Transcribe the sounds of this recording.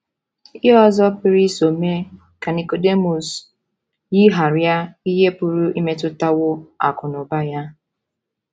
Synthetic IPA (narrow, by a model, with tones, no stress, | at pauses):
i˦ɔ˦zɔ˦pɪ˦ɾi˦so˨me˦ | ka˨ni˨ko˨de˦mu˨s | ɣi˦ɦa˨ɾja˦i˦ɦe˦pʊ˨ɾʊ˦i˦me˦tʊ˦ta˦wʊ˦a̰˨kʊ˨nʊ˨ba˦ja˦